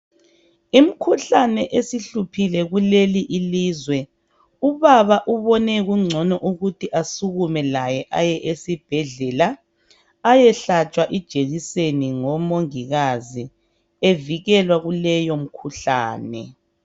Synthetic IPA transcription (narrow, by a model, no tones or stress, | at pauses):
im̩kʰuɬanɛʔesiɬupʰilɛɣuleliʔiliːzwɛ | uβaβaʔuβɔnɛɣuŋ͡ǀʱɔnɔʔuɣutʰiʔasuɣumɛlajɛʔajɛʔesib̥ʱɛɮɛlaː | jɛɬat͡ʃʼwaʔid̥ʒ̥ʱeɣiseniŋɔmoŋiɣazi | eviɣɛlwaɣulɛjom̩kʰuɬa̰ːnɛ̰